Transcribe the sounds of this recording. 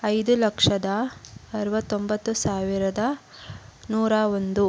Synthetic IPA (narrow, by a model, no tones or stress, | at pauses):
ɐjd̪ulɐkʂɐd̪ɐɐɾɐʋɐt̪ːo̞mbɐt̪ːusaːʋiɾɐd̪ɐ | nuːɾaːond̪u